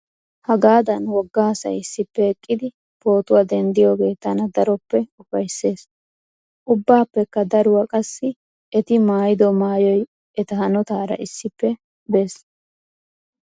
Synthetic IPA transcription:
hɐɡaːd̪ɐnwɔɡːaːsɐ̰jɪsːɪpːɛɛkʼːɪd̪ɪ | po̞ːt̪ʊwɐd̪ɛnd̪ɪjo̞ːɡe̞ːt̪ɐnɐd̪ɐɾɔpːɛʊfɐjsːe̞ːs | ʔʊbːaːpːɛkːɐd̪ɐɾʊwɐkʼɐsːɪ | ɛt̪ɪmaːjɪd̪ɔmaːjɔj | ʔɛt̪ɐhɐnɔt̪aːɾɐ̰ʔɪsːɪpːɛ | be̞ːs

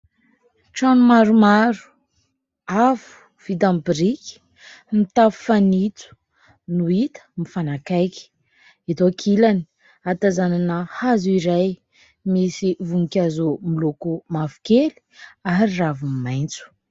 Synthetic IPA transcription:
ʈ͡ʂanumaɾumaɾu̥ | avu̥ | v̥id̪ambiɾiki̥ | mit̪avu̥fanit͡s̪u̥ | nuit̪ə̥mifanakajki̥ | it̪okʰilani | at̪azananəhazuiɾaj | misivuŋikʲazumilukumafu̥keli̥aɾiravummajnt͡su̥

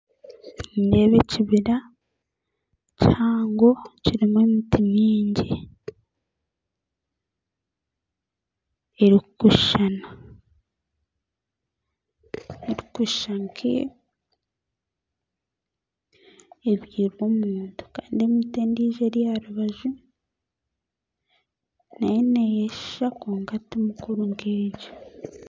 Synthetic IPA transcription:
nde̞βeciβiɾa | caːŋɡo̞ciɾimemitiniːɲɟi | eɾikuʃana | eɾikuʃaŋkʰḭ | eβjiːɾwomuːntu̥kaːndiemiteːndiːʒeɾjaɾuβaʒu | najenejeʃakoːŋɡatimukuɾuŋɡeːɟḁ

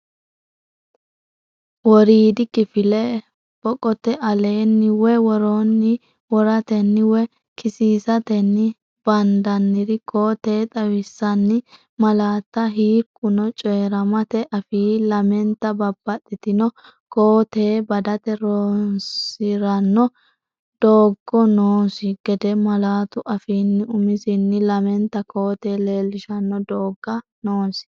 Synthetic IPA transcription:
wɔɾiːd̪ɪkɪfɪlɛ | b̥ɔkʼɔt̪ɛʔɐleːnːɪwɛwɔɾoːnːɪ | wɔɾɐt̪ɛnːɪwɛ | kʰɪsiːsɐt̪ɛnːɪ | b̥ɐnd̪ɐnːɪɾɪkoːt̪e̞ːt̪ʼɐwɪsːɐnːɪ | mɐlaːt̪ːɐɦiːkʼːʊnɔt͡ʃʼɛːɾɐmɐt̪ɛʔɐfiːlɐmɛnt̪ːɐbɐbːɐt̪ʼːɪt̪ɪnɔ | koːt̪eːbɐd̪ɐt̪ɛɾoːnsɪɾɐnːɔ | d̪̥oːɡːɔnoːsɪɡ̥ɛd̪ɛmɐlaːt̪ʊʔɐfiːnːɪʊmɪzɪnːɪlɐmɛnt̪ːɐko̞ːt̪e̞ːle̞ːlːɪʃɐnːɔd̪oːɡːɐnoːsɪ̥

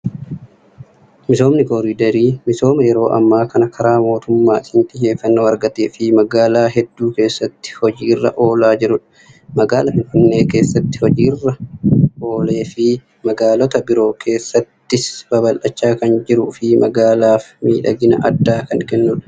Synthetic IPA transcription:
mɪso̞ːmnɪko̞ːɾiːd̪ɐɾiːmɪso̞ːmɐjɛɾo̞ːʔɐ̰mːaːkɐnɐkʰɐɾaːmo̞ːt̪ʊmːaːɪnt̪ʼɪje̞ːfːɐnːoːɐɾɡɐt̪eːfɪmɐɡaːlaːɦɛd̪ːuːke̞ːsːɐt̪ːɪ̥hɔd͡ʒiːrːɐ̰ʔo̞ːlaːd͡ʒɪɾʊᶑɐ̥ | mɐɡaːlɐfɪnfɪnːe̞ːke̞ːsːɐt̪ːɪ̥hɔd͡ʒiːrːɐ | o̞ːle̞ːfɪ | mɐɡaːlɔt̪ɐbɪɾo̞ːkʰe̞ːsːɐt̪ːɪsbɐbɐlʔɐt͡ʃːaːkɐnd͡ʒɪɾʊfɪmɐɡaːlaːfmiːᶑɐɡɪnɐ̰ʔɐ̰d̪ːaːkɐnkɛnːʊᶑɐ̥

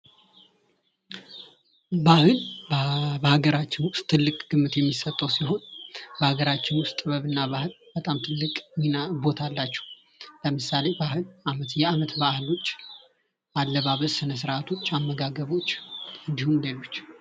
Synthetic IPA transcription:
bahɨlbbəhaɡəɾat͡ʃːɪnwʊst̪ʰːɨlːɨkʼɡ̥ɨmːɨt̪jɛmːisət̪ʼːəwsiɦo̞nbəhaɡəɾat͡ʃːɪnwʊst̪ʼɨbəβɨnːaβahɨlb̥ət̪ʼamt̪ʰɨlːɨkʼminabo̞t̪ʰalːat͡ʃːɛ̥hu | ləmɨsale̞bahɨlamət̪jɛamət̪bahɨlo̞t͡ʃː | ʔalːəβaβəsɨnəs̬ɨɾat̪ʰo̞t͡ʃːamːəɡaɡəβo̞t͡ʃːɨnd̪ihumlelo̞t͡ʃː

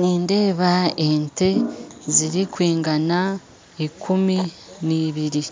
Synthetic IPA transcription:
niːnde̞ːβaente̞ziɾikwiːŋɡana | ikʰuminiːβiɾi

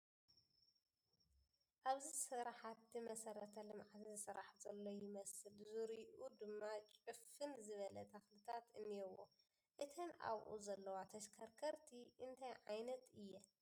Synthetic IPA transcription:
ʔaβzisɨɾaħat̪ːimɐsɐɾɐt̪ʰɐlɨmʕat̪ʰzɨsɨɾaħzɐlːojɪmɐsɨlzuɾiʔud̪ɨmːat͡ʃʼɨfɨnzɨβɐlɐt̪ʰɐxlɨt̪ʰat̪ɨnːiɛwːo̰ | ʔɨt̪ʰɐnʔa̰βʔṵzɐlːɐwat̪ʰɐʃkʰɐɾkʰɐɾt̪ʰiʔɨnt̪ʰajʕajnɐt̪ɨjːɛ

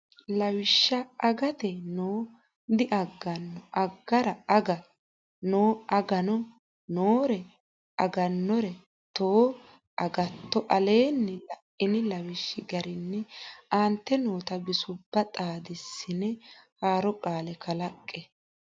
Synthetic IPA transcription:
lɐwɪʃːɐɐɡɐt̪ɛnoː | d̪ɪʔɐɡːɐnːɔʔɐɡːɐɾɐɐɡɐ | noːɐɡɐnɔ | noːɾɛ | ɐɡɐnːɔɾɛ | t̪oː | ʔɐɡɐt̪ːɔʔɐle̞ːnːɛlɐʔɪnɪlɐwɪʃːɪɡɐɾɪnːɛant̪ːɛnoːt̪ɐbɪsʊbːɐt̪ʼaːd̪ɪsːɪnɛhaːɾɔkʼaːlɛkɐlɐkʼːɛ

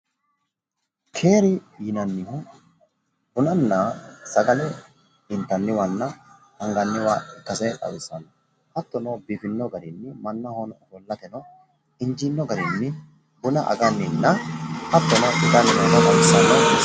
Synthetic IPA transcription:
kʰe̞ːɾɪjɪnɐnːɪhʊ | hʊnɐnːɐsɐɡɐlɛ | ɪnt̪ːɐnːɪwɐnːɐ | hɐŋɡɐnːɪwaːɛkːɐsɐjᶑɐ̰wɪsːɐnːɔ | hɐt̪ːɔnɔbiːfɪnːɔɡɐd̪ɪnːɪmɐnːɐhɔnbɔlːɐt̪ɛnɔ | ɪnd͡ʒinːɔɡɐd̪ɪnːɪ | bʊnɐʔɐ̰ɡɐnːɪnːɐhɐt̪ːɔnɔʔɪd̪ɐnːɪɔd̪ɐd̪ɐwɪsːɐnːɐ

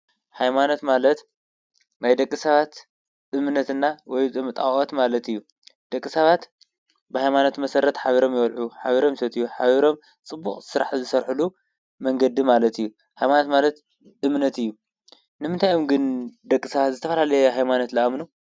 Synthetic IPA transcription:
hajmano̞t̪malɐt̪ | najd̪ɐkʼːisɐβat̪ | ɨmnːɐt̪ɨnːawɔjt̪ʼɨmɨt̪ʼawʼot̪malɐt̪ɨjːu | d̪̥ɐkʼːisɐβat̪ | bɨhajmano̞t̪mɐsɐɾːɐt̪ħaβiɾo̞mjɪβɐlʕuħaβiɾo̞msɐt̪ɨjːuħaβiɾo̞m | t͡sʼɨbːuχʼsɨɾa̰ħzɨsɐɾħulu | mɐŋɡɐd̪imalɐt̪ʰɨjːu | hajmanot̪manɐt̪ | ɨmnɐt̪ɨjːu | nɨmɨnt̪ʰajomɡɨnd̪ɐkʼːisɐβat̪zɨt̪ʰɐfɐlalɐjeɦajmanot̪laʔmnu

